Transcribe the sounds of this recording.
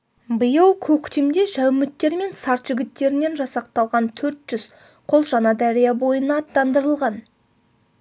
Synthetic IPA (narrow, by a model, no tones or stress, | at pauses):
bəjəlˠkʲʰɵkʲt̪emd̪e̞ʒæwmɪt̪ːe̞ɾme̞nsɑɾt̪ʒ̥ɪɡʲɪt̪ːe̞ɾɪne̞nʒɑsɑq̚t̪ɑlˠʁɑnt̪ʰɵɾt̪ʒ̥ʏz̥ | qʰo̞lˠʒɑnɑd̪æɾijɑbo̞jənɑːt̪ːɑnd̪əɾəlˠʁɑn